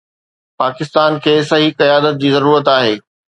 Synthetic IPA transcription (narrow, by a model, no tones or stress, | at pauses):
paːkɪst̪aːnkʰeːsɐɦikɐjaːd̪ət̪̚d͡ʑiːzɐɾuːɾət̪aːɦeː